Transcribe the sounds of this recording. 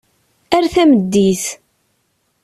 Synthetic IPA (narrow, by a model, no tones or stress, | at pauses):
æɾθæməd̪ːiθ